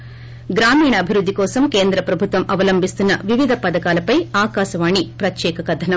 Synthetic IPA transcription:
ɡɾaːmiːɳɐːbʱiɾud̪ːikɔːsɐmkeːnd̪ɾɐpɾɐbʱut̪ʋɐmʔɐʋɐlɐmbʱist̪unːɐʋiʋid̪ʱɐpɐd̪ɐkaːlɐpɐjaːkaːʃɐʋaːɳipɾɐt̪jɛːkɐkɐd̪ʱɐnɐm

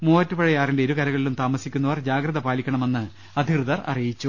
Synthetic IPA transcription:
moːɐtːupɐɻɐjaːrinde̞oɾukɐɾɐɣɐɭilumt̪aːmɐsikʲːunːɐʋɐrd͡ʑaːɡɾɐðɐpaːlikʲːɐɳɐme̞nːɨ | ɐd̪ʱikrɨðɐrɐ̰rijit͡ɕːu

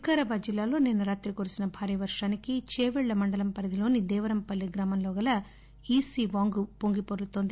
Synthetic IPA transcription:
kaɾɐbaːd͡ʒilːaːlo̞ːnenːɐɾaːt̪ɾikoːɾusinɐbʱaːɾijɐʋɐɾʂaːnikit͡ʃeːʋɛɭːɐmɐɳɖɐlɐmpɐɾɐd̪ʱilo̞ːnid̪ɛːʋɐɾɐmpɐlːiɡɾaːmɐmlɔːɡɐlɐ | iːsiːʋaːŋɡupoŋɡipoɾɐlut̪oːnd̪i

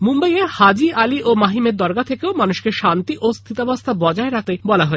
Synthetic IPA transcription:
mumbajehad͡ʑialiʔomaɦimeɾd̪ɔɾɡat̪ʰekeomanuʃkeʃant̪iʔost̪ʰit̪abast̪ʰabɔd͡ʑaeɾat̪ebɔlaɦoe

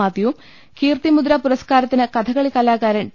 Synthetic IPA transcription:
aːd̪jɐʋum | kiːrt̪imud̪ɾɐpuɾɐskaːɾɐt̪ːinɨkɐt̪ʰɐɣɐɭikɐlaːkaːɾɐn

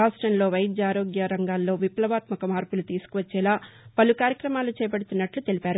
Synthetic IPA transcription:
aːsʈɾɐnlo̞ːʋɐjd̪jaːɾo̞ːɡjɐɾɐŋɡaːlːo̞ːʋiplɐʋaːt̪mɐkɐmaːɾpulut̪iːsu̥kuʋɐt͡ʃːɛːlaːpɐlukaːɾjɐkɾɐmaːlut͡ʃɛːjɐpɐɽut̪unːɐʈlut̪e̞lipaːɾu

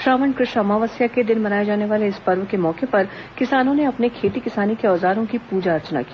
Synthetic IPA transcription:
ʃɾaːʋəɳɖkɾɪʃamaːʋəsjaked̪ɪnmɐnaːjed͡ʒaːneʋaːleɪspɐɾʋəkemɔːkepɐɾ | kɪsaːnõneɐpnekʰeːt̪ikɪsaːnikeɔːzaːɾõkipuːd͡ʒaɐɾt͡ʃna̰ki̥ː

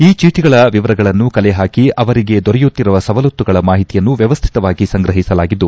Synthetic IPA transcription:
iːt͡ʃiːʈ̪iɡɐɭɐʋiʋɐɾɐɡɐɭɐnːukɐleɦaːkiʔɐʋɐɾiɡe̞d̪ɔɾɛjut̪ːiɾuʋɐsɐʋɐlut̪ːuɡɐɭɐmaːɦit̪ijɐnːuʋjɐʋɐst̪ʰi̥t̪ɐʋaːɡisɐŋɡɾɐɦisɐlaːɡid̪ːu

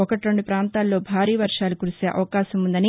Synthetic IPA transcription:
ɔkɐʈiɾo̞ɳɖupɾaːnt̪aːlːo̞ːbʱaːɾiːʋɐɾʂaːlukuɾuseːʔɐ̰ʋɐkaːʃɐmund̪ɐni

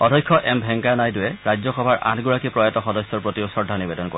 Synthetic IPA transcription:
ɔdʱɔjkʰːɔʔɛmbʱɛŋkanajdʊjɛɹajd͡ʑzɔxɔbʱaɹʔa̰tʰɡuɹakipɹɔjatɔxɔdɔsjɔɹpɹotiusɔɹdʱanibɛdɔnko̰ɹ

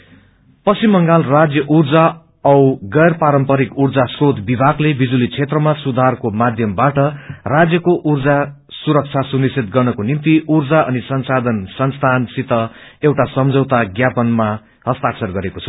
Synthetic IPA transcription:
pʌsimːʌŋɡalrad͡zjʌʔurd͡za | ʌwɡʌjrpaɾʌmpʌɾikurd͡zasrot̪ʰbibʱaɡlebid͡zulit͡sʰet̪rʌmasud̪ʱarkomad̪ʱjʌmbaʈʌrad͡zjʌkoʔurd͡za | suɾʌk̚t͡sʰasunisit̪̚ɡʌrnʌkonimt̪iʔurd͡zaʌnisʌnsad̪ʱʌnsʌnst̪ʰansit̪ʌewʈasʌmd͡zʱʌwt̪aɡjapʌnma | hʌst̪aksʌrɡʌɾekot͡sʰʌ̥

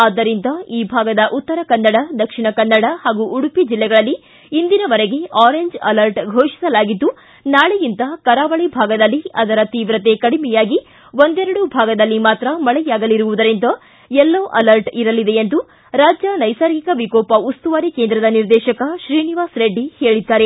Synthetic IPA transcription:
aːd̪ɐɾind̪ɐiːbʱaːɡɐd̪ɐʔut̪ːɐɾɐkɐnːɐɽɐd̪ɐkʂiɳɐkɐnːɐɽɐhaːɡuʔːɽupid͡ʒilːɛɡɐɭɐlːiː | nd̪inɐʋɐɾeɡe̞aːɾeɲd͡ʒɐlɐɾʈɡʱoːʃi̥sɐlaːɡid̪ːu | naːɭejint̪ɐkɐɾaːʋɐɭibʱaːɡɐd̪ɐlːiɐd̪ɐɾɐt̪iːʋɾɐt̪e̞kɐɽimɛjaːɡi | ʋond̪ɛɾɐɽubʱaːɡɐd̪ɐlːimaːt̪ɾɐmɐɭɛjaːɡɐliɾuʋud̪ɐɾint̪ɐ | ɛlːoːʔɐlɐɾʈiɾɐlid̪eent̪u | ɾaːd͡ʒjɐnɐjsaːɾɡikɐʋikoːpɐust̪uʋaːɾikeːnd̪ɾɐd̪ɐniɾd̪ɛːʃɐkɐʃɾiːniʋaːsɾeɖːihe̞ːɭid̪ːaːɾe̞

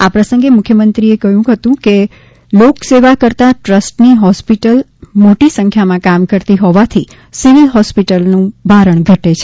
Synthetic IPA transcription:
apɾəsə̃ŋɡemʊkʰjəmənt̪ɾiekəɦjũkɦət̪ũke | lokseʋakəɾt̪aʈɾəsʈniɦɔspiʈəl | moʈisə̃ŋkʰjamãkamkəɾt̪iɦɔʋat̪ʰi | siʋilɦɔspiʈəlnũbʱaɾəɳɡʱəʈet͡ʃʰe

